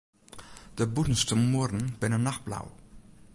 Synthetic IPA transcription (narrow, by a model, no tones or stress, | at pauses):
d̥əbutən̩stəmuərdən̩bɪnənːaxt̚bla̰w